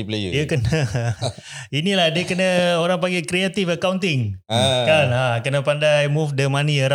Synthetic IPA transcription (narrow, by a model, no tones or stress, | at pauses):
ipleṵikəə | inilahdiəkənəoɾaŋpaɡekɾiat̪ifəkaunt̪̬ɪŋkanakənəpandajmufdəmãniəɾ